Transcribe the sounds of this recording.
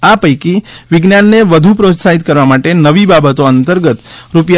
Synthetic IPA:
apəjkiʋɪɡnjanːeʋəd̪ʱupɾot̪saɦit̪kəɾʋamaʈenəʋibabət̪oənt̪əɾɡət̪ɾupja

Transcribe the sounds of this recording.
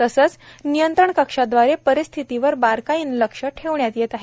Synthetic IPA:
t̪əsəːt͡snijənt̪ɾəɳkəkʂad̪ʋaɾepəɾist̪ʰit̪iʋəɾbaɾkaiːnləkʂəʈʰeʋɳjat̪jet̪aɦe

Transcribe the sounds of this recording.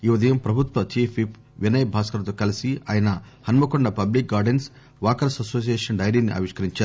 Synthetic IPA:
iːʋɐd̪ʱɐjɐmpɾɐbʱut̪ʋɐt͡ʃiːpʰipʰ | ʋinɐjbʱaːskɐɾɐt̪oːkɐlisia̰ːjɐnɐ | hɐnmɐkoɳɖɐpɐblik̚ɡaːɾɖens | ʋaːkɐɾsɐsoːs̬ijeːʂɐnɖɐjɾinːiʔɐ̰ʋiʂkɐɾiɲt͡ʃaː

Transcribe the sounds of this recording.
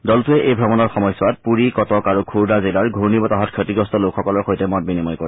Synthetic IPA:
dɔltʊɛʔejbʱɹɔmɔnɔɹxɔmɔjsʊat̚puɹikɔtɔkaɹukʰuɹdazilaɹɡʱuɹnibɔtaɦɔtkʰetiɡɹɔstɔlokxɔkɔlɔɹxojtɛmɔt̚binimɔjkɔɹɛ

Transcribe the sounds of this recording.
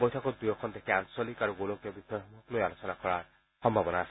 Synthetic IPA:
bɔjt̪ʰakɔd̪ujɔkʰɔnd̪ekʰiansɔlikaɾɔ̃ɡoloŋkjɔbid̪ʱɔjɦɔmɔklojalosɔnakɔɭaɾ | hɔmbʱabɔnaːs

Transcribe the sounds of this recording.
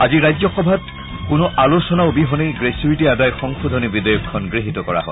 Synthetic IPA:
aziɹajzɔxɔbʱat | kʊnʊʔalosɔnaʊbiɦɔnejɡɹesuɹitiadajxɔŋxud̪ʱɔnibidɔjɔkʰːɔnɡɹiɦitɔkɔɹa̰ɦɔ

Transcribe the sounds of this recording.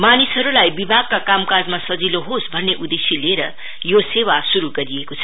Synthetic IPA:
manisɦʌɾulajbibʱaɡ̚kːakamkad͡zmasʌd͡ziloɦosbʱʌnːeʔud̪esileɾʌ̰ | josewasuɾuɡʌɾiekot͡sʰʌ̥

